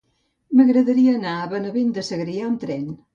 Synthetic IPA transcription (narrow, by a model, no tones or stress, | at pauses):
məɣɾəðəɾiəːnaəβənəβend̪əsəɣɾiaomt̪ɾɛn